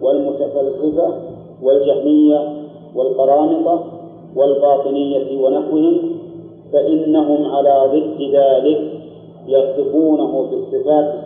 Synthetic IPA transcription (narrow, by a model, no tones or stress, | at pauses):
walmʊt̪afalzɪfa | wald͡ʒahmɪjːa | walqɑɾˤɑːnɪt̪ˤɑ | walbɑːt̪ˤɨnɪjːawanaħwɪhɪm | faʔɪnːaɦʊmʕalaːðˤɨd̪ːɪðaːlɪk | jɑsˤɨbuːnaɦʊfɪsˤːɨfaːt̪